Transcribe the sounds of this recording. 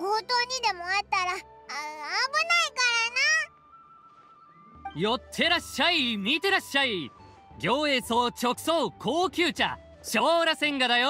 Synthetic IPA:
ɡoːt̪oːɲ̟id̪e̞moat̪aɾa | abɯnaikaɾana | jo̞t̪ʰːe̞ɾaɕːaimʲit̪e̞ɾaɕai | ɡʲo̞ːe̞soːt͡ɕo̞kɯ̥soːkʰoːkʲɨːt͡ɕa̰ | ɕo̞ːɾasẽ̞ŋɡad̪ajo

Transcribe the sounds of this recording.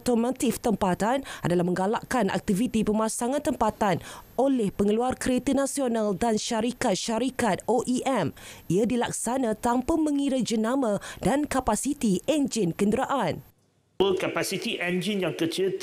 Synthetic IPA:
t̪omat̪ift̪əmpat̪anadalahmə̃ŋɡalaʔkana̰k̚t̪ivit̪ipəmãsaŋãnt̪əmpat̪anolɛhpəŋəluarkəɾet̪ənãsionaldanʃaɾikat̪̚ʃaɾikat̪̚oʔiʔɛmiadilak̚sanãt̪ampəmə̃ŋiɾad͡ʒənãmãdankapasit̪iɛnd͡ʒɪnkəndəɾaʔan | əkapasit̪iʔɛ̃nd͡ʒinjaŋkət͡ʃət̪

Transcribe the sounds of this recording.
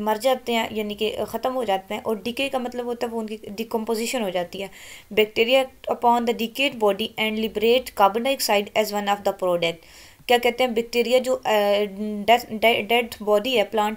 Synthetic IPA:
məɾd͡ʒaːt̪eɛ̃ːjaːnikexət̪əmɦoːd͡ʒaːt̪eɛ̃ːʔɔːɾɖɪkeːkamət̪ləbot̪ːbʊnkiɖ̪ikɔ̃mpoːzɪːʃənɦoːd͡ʒaːt̪iɦɛːbɛk̚ʈeːɾijaːəpɔːnd̪əɖikeːʈbɔːɖiːʔɛ̃ːɳɖlɪbɾeːʈkaːbənaɪksaːɪɖɛːzʋənɔːfd̪əpɾɔːɖɛk̚ʈ | kjaːkɛːt̪ẽɦɛ̃ːbɛːk̚ʈeːɾijaːd͡ʒoː | ɖɛɖɖɛʈbɔːɖiːɛːplãːɳʈ

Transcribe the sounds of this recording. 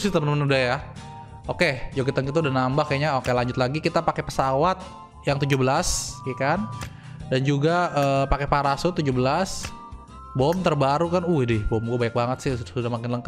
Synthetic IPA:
sɪht̪əməmənudahja | oked͡ʒoɡit̪aŋkit̪uudahnambahkaɲaokelaɲd͡ʒʊt̪̚laɡikit̪apakepəsawat̪̚ | jaŋt̪ud͡ʒubəlasekan | dand͡ʒuɡaəːpakepaɾasʊt̪ud͡ʒubəlas | bɔmt̪ərbaɾukanuɪhdɪhbɔmɡuabaɲak̚baŋət̪sɪhsudahmakɪnləŋka

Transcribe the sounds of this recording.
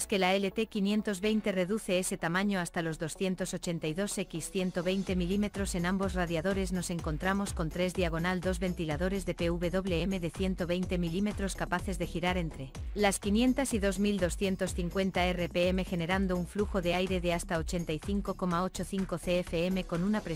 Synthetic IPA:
ske̞laele̞t̪e̞kinje̞nt̪o̞zβe̞jnt̪e̞re̞ðuθe̞ese̞t̪amãɲo̞ast̪alo̞zðo̞sθje̞nt̪o̞so̞t͡ʃe̞nt̪ajðo̞se̞kisθje̞nt̪o̞βe̞jnt̪e̞milime̞t̪ɾo̞se̞nãmbo̞sraðjaðo̞ɾe̞zno̞se̞ŋko̞nt̪ɾamo̞sko̞nt̪ɾe̞zðiaɣ̞o̞nald̪o̞zβe̞nt̪ilaðo̞ɾe̞zðe̞pe̞uβe̞ðo̞βle̞eme̞ðe̞θje̞nt̪o̞βe̞jnt̪e̞milime̞t̪ɾo̞skapaθe̞zðe̞xiɾaɾe̞nt̪ɾe̞laskinjẽ̞nt̪asiðo̞zmild̪o̞sθje̞nt̪o̞sθiŋkwe̞nt̪aere̞pe̞eme̞xe̞ne̞ɾand̪o̞uɱfluxo̞ðeajɾe̞ðe̞ast̪ao̞t͡ʃe̞nt̪ajθiŋko̞ko̞mao̞t͡ʃo̞θiŋko̞θe̞efe̞eme̞ko̞nunapɾe

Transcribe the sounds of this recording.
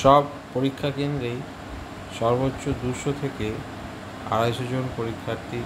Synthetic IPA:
ʃɔb | poɾikʰːakend̪ɾej | ʃɔɾbotːɕod̪uɾʃot̪ʰeke | a̰ɾaeʃod͡ʑonpoɾikʰːaɾt̪i

